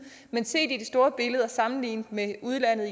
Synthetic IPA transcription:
mense̝̰ːd̥id̥esd̥o̝ːɐb̥e̝ləð̞ˠɐsɑ̈mn̩lḭːnd̥meuðˠlæn̰ðˠi

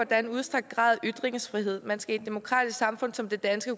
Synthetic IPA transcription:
ɒd̥ɐe̝nuðˠsd̥ʁaɡ̥̚d̥̚ɡ̥ʁɑ̰̈ːð̞ˠʔyd̥ʁeŋəsfʁiɦe̝ð̞̰ˠmænsɡ̥æi̝d̥ːe̝mo̝kʰʁɑ̰ːd̥isɡ̥sɑ̈mfɔ̽n̰sɒ̽md̥e̝d̥ænsɡ̥ə

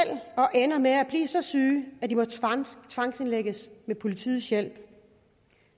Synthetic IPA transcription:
el̰ɒ̽ʔenɐmeæb̥lḭːsɒ̽syːæd̥imɒ̽t͡sʰʋɑ̈ŋ̰se̝nleɡ̥əsmepʰo̝lit͡sʰḭːð̩ˠsjel̰b̥

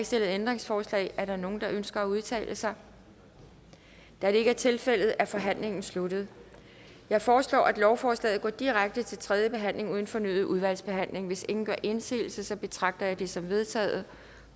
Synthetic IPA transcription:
sd̥e̝l̰ð̩ˠend̥ʁeŋsfɒːslɛ̰ɪæɐɾɑno̝ːn̩d̥ɑ̈ʔønsɡ̥ɐæuð̞ˠt͡sʰɛ̰ːlʔəsɑ̈ɪ | d̥æd̥e̝e̝ɡ̥æɐt͡sʰe̝lfel̰ð̞̩ˠæɐfɒ̽ɦæn̰le̝ŋn̩sluɾ̥ð̞̩ˠ | jɑ̈ɪfɒːslɒ̰ːʔæd̥lɒʊfɒːslɛ̰ːðˠɡ̥ɒ̰ːd̥iʁaɡ̥̚d̥ət͡sʰe̝lt͡sʰʁɛðˠjəb̥e̝ɦæn̰le̝ŋuð̞ˠn̩fɒ̽nyð̩ˠuðˠʋæl̰sb̥e̝ɦæn̰le̝ŋʋe̝se̝ŋn̩ɡ̥ɶɐʔe̝nsḭːl̩səsɒ̽b̥e̝t͡sʰʁɑ̈ɡ̥̚d̥ɐjɑ̈ɪd̥esɒ̽mʋe̝ð̞ˠt͡sʰɛ̰ːð̩ˠə

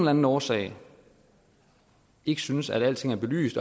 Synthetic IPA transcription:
nlæn̩ɒːsɛ̰ɪ | e̝ɡ̥əsynəsæd̥æl̰t͡sʰe̝ŋæɐb̥e̝ly̰ːsd̥ɒ

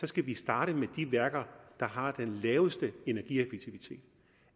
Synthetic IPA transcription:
sɒ̽sɡ̥æʋisd̥ɑ̈ːɾ̥əmed̥iʋæɐɡ̥ɐd̥ɑ̈ɦɑ̈d̥enlɛːʊsd̥əe̝næɐɡ̥ḭefeɡ̚t͡sʰiʋit͡sʰe̝̰ːd̥

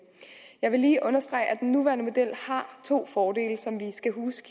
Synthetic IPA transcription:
jɑ̈ɪʋe̝liːʔɔ̽nɐsd̥ʁɑ̈ɪ̰ʔæd̥enːuʋæːɐnəmo̝d̥el̰hɑ̈t͡sʰo̝̰ːfɒːd̥e̝̰ːləsɒ̽mʋisɡ̥æɦuːsɡ̥

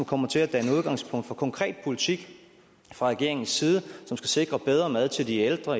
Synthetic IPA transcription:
mkʰɒ̽m̰ɐt͡sʰe̝læd̥ænuð̞ˠɡ̥ɑ̈ŋspʰɔ̽ŋ̰d̥fɒ̽kʰɒ̽ŋkʰʁɛ̰ːd̥̚pʰo̝lit͡sʰiɡ̥ | fʁɑ̈ʁɛɡ̥e̝ɐe̝ŋn̩sːiːð̞ˠəsɒ̽msɡ̥æse̝ɡ̥ʁɐb̥eð̞ˠʁɐmæð̞ˠt͡sʰe̝ld̥ield̥ʁɐ

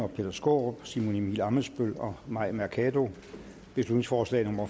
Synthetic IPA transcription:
ɒ̽pʰe̝d̥ɐsɡ̥o̝̰ːb̥simo̝nimilɑ̈məsb̥øl̰ɒ̽mɑ̈ɪ̰mæɐkʰɛdo̝ | b̥e̝slud̥ne̝ŋsfɒːslɛ̰ːnɔ̽mɐ

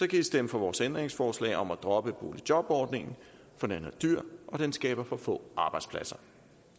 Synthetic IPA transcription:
sɒ̽kʰæisd̥eməfɒ̽ʋɒːsend̥ʁeŋsfɒːslɛ̰ɪʔɒ̽mæd̥ʁɒ̽b̥əb̥o̝̰ːlid̥jɒ̽b̥ɒːd̥ne̝ŋn̩ | fɒ̽nænɐd̥yɐ̰ʔɒ̽d̥ensɡ̥ɛːb̥ɐfɒ̽fɔ̰̽ːɑ̈ːb̥ɑ̈ɪdspʰlæsɐ

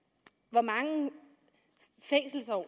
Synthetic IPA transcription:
ʋɒmɑ̈ŋə | feŋ̰sl̩sɒʊ̰

